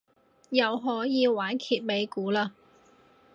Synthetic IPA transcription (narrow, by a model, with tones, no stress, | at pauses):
jɐ˨˧wɦɔː˨˥jiː˨˧waː˨˥nkʰiː˨t̚me˨˧jkuː˨˥laː˧